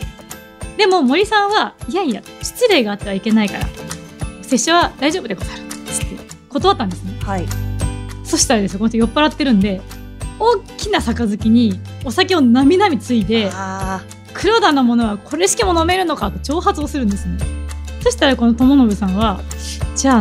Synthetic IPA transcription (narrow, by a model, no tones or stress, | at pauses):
d̪e̞mo̞mo̞ɾʲisãɰ̃βaijaija̰ | t͡ɕi̥t͡siɾeːɡaːt̪ːe̞βaike̞naikaɾa̰ | se̞ɕoβad̪aiʑo̞ːbd̪ekot̪aɾɯ̟t͡sɨ̥t̪ːe̞̰ | ko̞t̪o̞βat̪ːãnd̪esɨne̞hai | so̞ɕi̥t̪aɾad̪esɨkonɕojo̞pːaɾat̪ːe̞ɾɯ̟̃nd̪e̞ | o̞ːkʲinasakazɨkʲiɲ̟i | o̞sakʲeo̞namʲinamʲit͡sɨid̪e̞ | kɯ̟ɾo̞ːd̪ãnːomo̞no̞β̞akʰo̞ɾe̞ɕi̥kʲimo̞no̞me̞ɾɯ̟no̞kat̪o̞t͡ɕo̞ːɦat͡sɨosɨɾɯ̟̃nd̪e̞sɨneso̞ɕi̥t̪aɾako̞not̪o̞mo̞nobɯ̟sãβ̞a | d͡ʑaː